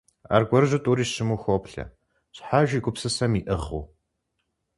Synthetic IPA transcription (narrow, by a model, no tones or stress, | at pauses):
a̰ːrɡʷɔrɨʑɨtʼuːɾiːɕɪmuːxʷopɬɐ̰ | ɕʼħaːʒiːɡʷʊpsɨsɐmiːʔɨχuː